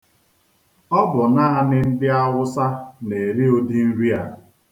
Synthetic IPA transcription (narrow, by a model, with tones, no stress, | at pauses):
ɔ˦bʊ˨na˦a˦nɪ˦n̩˦dɪ˦a˦wʊ˦sa˦ne˨ɾi˦o˦di˦n̩˦ɾi˦a̰˨